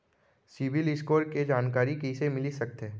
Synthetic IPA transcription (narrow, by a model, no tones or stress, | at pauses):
sɪʋɪlɪskoːʈked͡ʒaːnkaːɾikɛːsemɪlisɐk̚t̪ɦɛː